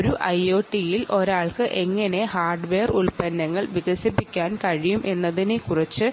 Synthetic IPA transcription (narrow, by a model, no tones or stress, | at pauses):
oɾuʔɐjo̞ːʈːijilʔo̞ɾaːɭkɨʔe̞ŋːɐne̞haːrɖʋeːruɭpɐnːɐŋːɐɭʋiɣɐsipːikʲːaːnkɐɻijumʔe̞nːɐðinekurɐt͡ɕːɨ